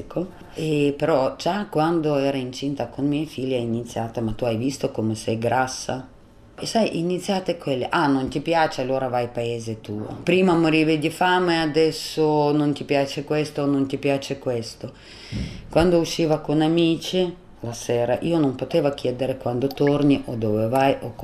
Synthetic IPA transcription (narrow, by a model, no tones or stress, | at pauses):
ikʰo | epeɾɔd͡ʒakwand̪oɛːɾaint͡ʃint̪akonmɛjfilːainit̪sːjaːt̪amat̪ːuajvist̪okomesɛjɡɾasːa̰ | esajʔinit̪sːjaːt̪ekwelːḛʔanont̪ipjaːt͡ʃealːoːɾavajpaeːzet̪uːo̰pɾiːmamoɾiːvid̪ifameead̪ɛsːonont̪ipjaːt͡ʃekwest̪onont̪ipjaːt͡ʃekwest̪o | kwand̪ouʃːiːvakonamiːt͡ʃi | lasɛːɾaʔiːonompot̪eːvakjɛːd̪eɾekwand̪ot̪orniʔod̪ovevajʔo